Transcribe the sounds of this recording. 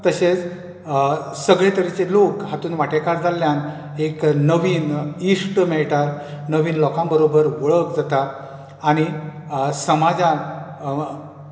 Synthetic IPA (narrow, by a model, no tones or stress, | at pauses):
t̪əɕet͡s | səɡɭet̪əɾit͡selokɦat̪uːnʋaʈekaɾd͡zʱaljan | eknəʋiːniʂʈmɛɭʈaɾnəʋiːnlɔkãmbəɾobəɾʋəɭəkd͡zat̪aː | ɽ̃i | səmad͡zã